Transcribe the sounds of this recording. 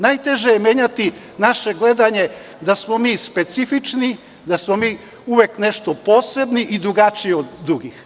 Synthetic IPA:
najt̪e̞ʒejemje̞ːɲat̪i | naʃe̞ɡle̞d̪aɲe̞ | d̪asmomiːspe̞t̪sifit͡ʃni | d̪asmo̞miː | uʋekne̞ʃt̪o̞po̞ːse̞bniʔid̪ɾuɡat͡ʃijeod̪ːɾuɡix

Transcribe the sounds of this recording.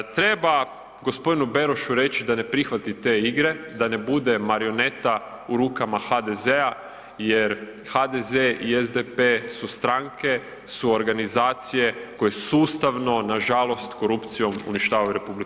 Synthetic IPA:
t̪ɾe̞ba | ɡo̞spo̞d̪inube̞ɾoʃuɾe̞t͡ɕid̪ane̞pɾixʋat̪it̪e̞iɡɾe̞d̪ane̞bud̪e̞maɾio̞ne̞t̪a | uɾuːkamaxad̪e̞zea | jeɾ | had̪ezeiezd̪epesust̪ɾaŋkʰe̞ | suo̞ɾɡanizaːt̪sije̞ko̞jesuːst̪aʋno̞naʒalo̞st̪ko̞ɾupt̪sijo̞mṵniʃt̪aːʋajuɾepublik

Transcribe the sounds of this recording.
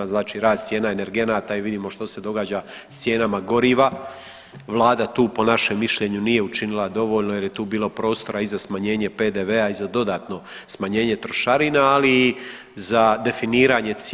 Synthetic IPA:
aznaːt͡ʃiːɾaːzt̪sʲje̞ːnaene̞ɾɡe̞naːt̪aiʋid̪iːmo̞ʃt̪o̞se̞d̪o̞ɡaːd͡ʑast̪sje̞ːnamaɡo̞ɾiːʋa | ʋlˠaːd̪at̪uːpo̞naʃe̞mːiʃʎe̞ɲunije̞ut͡ʃinilˠad̪o̞ʋo̞ʎnojeɾjet̪uːbiːlˠo̞pɾo̞ːst̪o̞ɾaizasmaɲe̞ːɲe̞peːd̪eʋeaizad̪o̞d̪aːt̪no̞smaɲe̞ːɲe̞t̪ɾo̞ʃaɾinaːliː | zad̪e̞finiːɾaɲe̞t̪s

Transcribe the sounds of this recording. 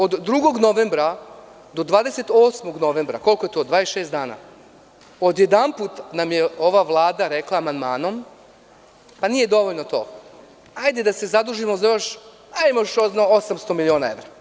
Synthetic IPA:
o̞d̪ːɾuɡo̞ɡno̞ʋembɾa | d̪o̞d̪ʋaːd̪ese̞t̪o̞ːsmo̞ɡno̞ʋe̞mbɾa̰ko̞lˠko̞je̞t̪o̞ːd̪ʋaːesʃe̞ːsd̪aːna̰ | o̞d̪je̞d̪anput̪namjeo̞ʋaʋlˠaːd̪aɾe̞klˠaːmand̪maːno̞m | panije̞d̪o̞ʋo̞ʎnot̪o̞̰ː | hajd̪e̞d̪ase̞zad̪uʒimozajo̞ʃ | aimoʃoznoosamst̪o̞milio̞ːnae̞ʋɾa

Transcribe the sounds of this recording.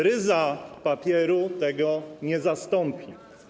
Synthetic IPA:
ɾɘzapapʲjɛɾut̪ɛɡɔɲɛzast̪ɔmpʲi

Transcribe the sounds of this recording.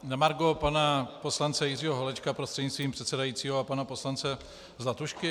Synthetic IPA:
namaɾɡopanaposlant͡sɛjɪriːɦoɦolɛt͡ʃkapɾost̪r̥ɛdɲɪst̪viːmpr̥ɛt̪sɛdajiːtt͡siːɦoapanaposlant͡sɛ | zlat̪uʃkɪ

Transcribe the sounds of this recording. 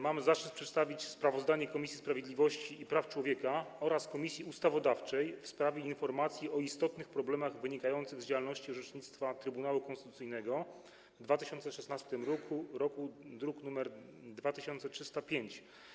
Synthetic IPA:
mamzatɛpʂɛt̪st̪avʲit͡ɕspɾavɔzd̪aɲɛkɔmʲisʲispɾavʲjed̪ʲlʲivɔɕt͡ɕiːpɾaft͡ʂwɔvʲjɛkaɔɾaskɔmʲisʲjiust̪avɔd̪aft͡ʂɛjfspɾavʲjɛinfɔɾmat̪sʲjiʔɔist̪ɔt̪nɘxpɾɔblɛmaɣvɘɲikajɔnt̪sɘɣzd͡ʑawalnɔɕt͡ɕiɔʐɛt͡ʂɲit̪st̪fat̪ɾɘbunawukɔnst̪ɘt̪ut̪sɘjnɛɡɔ | vd̪vat̪ɘɕɔnt̪sɛʂɛsnast̪ɘmɾɔkʰuɾɔkud̪ɾuknumɛɾd̪vat̪ɘɕɔnt̪sɛtʂɘst̪apʲjeɲt͡ɕ

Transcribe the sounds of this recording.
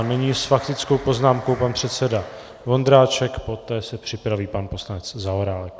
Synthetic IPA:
nɛɲiːsfakt̪ɪt͡sko̞wpo̞znaːmko̞wpanpr̥ɛt̪sɛda | vo̞nd̪ɾaːt͡ʃɛkpo̞t̪ɛːsɛpr̥ɪpɾaviːpanpo̞slanɛt͡szaoɾaːlɛk

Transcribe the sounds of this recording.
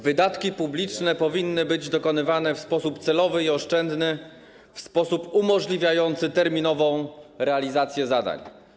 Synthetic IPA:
vɘd̪at̪kʲipublʲit͡ʂnɛpɔvʲinːɘbɘd͡ʑd̪ɔkɔnɘvanɛfspɔsupt̪sɛlɔvɘiɔʂt͡ʂɛnd̪nɘ | fspɔsupumɔʐlʲivʲjajɔnt̪sɘt̪ɛɾmʲinɔvɔ̃w̃ɾɛalʲizat̪sʲjɛzad̪a̰ɲ

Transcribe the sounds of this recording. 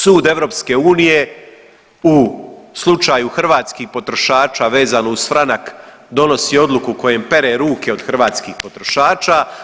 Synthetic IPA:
suːd̪e̞ʋɾo̞pske̞uːnije̞ | uslˠut͡ʃaːjuxr̩ʋaːt̪skihpo̞t̪ɾo̞ʃaːt͡ʃaːʋe̞ːzanousfɾanak | d̪o̞no̞sio̞d̪lˠukuko̞je̞mpe̞ɾeɾuːkeod̪xr̩ʋaːt̪skixpo̞t̪ɾo̞ʃaːt͡ʃaː

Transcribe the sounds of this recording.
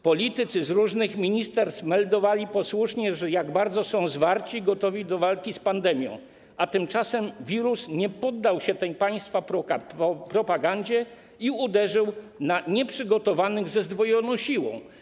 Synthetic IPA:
pɔlʲit̪ɘt̪sɘzɾuʐnɘxmʲiɲist̪ɛɾst̪mɛld̪ɔvalʲipɔswuʂɲɛʐɛjaɡbaɾd̪zɔsɔ̃w̃zvaɾt͡ɕiɡɔt̪ɔvʲid̪ɔvalkʲispand̪ɛmʲjɔ̰̃w̃ | at̪ɘmt͡ʂasɛmvʲiɾusɲɛpɔd̪ːawɕɛt̪ɛjpaj̃st̪fapɾɔɔpɾɔpaɡaɲd͡ʑɛ | iud̪ɛʐɘwnaɲɛpʂɘɡɔt̪ɔvanɘɣzɛzd̪vɔjɔnɔ̃w̃ɕiwɔ̰̃w̃

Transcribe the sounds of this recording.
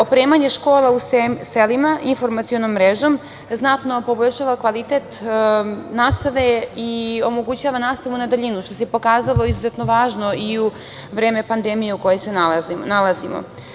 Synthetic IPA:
opɾe̞ːmaɲe̞ʃko̞ːlˠauselimaʔinfo̞ɾmat̪siono̞mːɾeʒo̞m | znat̪no̞po̞bo̞ʎʲʃaːʋakʋalit̪et̪ | naːst̪aʋe̞io̞mo̞ɡut͡ɕaːʋanaːst̪aʋunad̪aʎinuʃt̪o̞sepo̞kaːzalˠo̞izuze̞t̪no̞ʋaːʒno̞iu | ʋɾeːme̞pand̪e̞mije̞uko̞jesenalazimo̰

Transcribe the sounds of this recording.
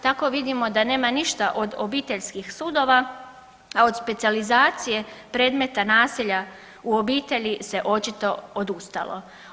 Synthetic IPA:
t̪ako̞ʋid̪imo̞d̪ane̞ːmaniʃt̪aʔo̞d̪obiːt̪e̞ʎskixsuːd̪o̞ʋa | ao̞d̪spe̞t̪sializaːt̪sije̞pɾe̞ːd̪me̞t̪anaːsiʎa | uo̞biːt̪e̞ʎise̞ʔo̞t͡ʃit̪o̞od̪ust̪a̰lo̞̰

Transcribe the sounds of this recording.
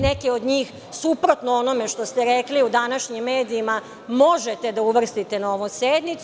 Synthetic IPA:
nekeo̞d̪ɲiːx | supɾo̞t̪noono̞me̞ʃt̪o̞st̪eɾekliud̪anaʃɲimːeːd̪iːma | mo̞ʒet̪e̞d̪auʋr̩st̪it̪enao̞ʋosed̪nit̪s

